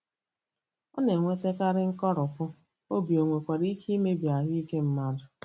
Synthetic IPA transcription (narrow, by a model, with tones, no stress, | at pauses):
ɔ˦ne˨ŋʷe˦te˦ka˦ɾɪ˦ŋ̩˦kɔ˦ɾʊ˨kʊ˦ | o˦bi˨o˨ŋʷe˨kʷa˨ɾi˦kʰi˦me˦bja˨ɦi˦ke˦m̩˦ma˦dʊ˨